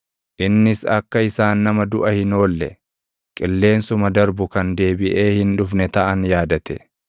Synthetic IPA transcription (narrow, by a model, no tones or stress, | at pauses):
ʔɪnːɪsɐkːɐɪsaːnːɐmɐd̪ʊʔɐhɪno̞ːlːɛ̰ | kʼɪlːe̞ːnsʊmɐd̪ɐɾbʊkɐnd̪e̞ːbɪʔe̞ːhɪnᶑʊfnɛt̪ɐʔɐnjaːd̪ɐt̪ɛ